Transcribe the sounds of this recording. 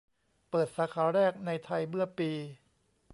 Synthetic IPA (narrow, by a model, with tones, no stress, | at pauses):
pɤː˨˩t̪̚saː˨˦kʰaː˩˦ɾɛː˥˩k̚na˧jt̪ʰa˧jmɯ˥˩ɐpiː˧